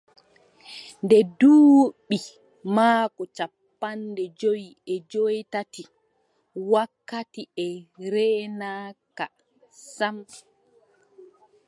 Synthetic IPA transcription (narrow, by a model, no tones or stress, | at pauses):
ndɛduːɓi | maːkɔt͡ʃapːandɛd͡ʒojiɛd͡ʒojtati | wakːatiɛɾɛːnaːka | sam